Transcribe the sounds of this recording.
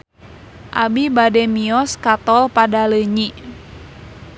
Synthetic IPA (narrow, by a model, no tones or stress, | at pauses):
ʔa̰bibadɛmiɔskat̪ɔlpadaləɲi